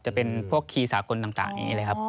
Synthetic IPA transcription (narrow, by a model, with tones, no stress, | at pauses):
t͡ɕa˨˩pe˧npʰu˥˩əkʰiː˧saː˩˦ko˧nt̪a˨˩ŋt̪a̰ː˨˩ŋa̰˧ḭː˦˥˧lːjkʰa˦˥p̚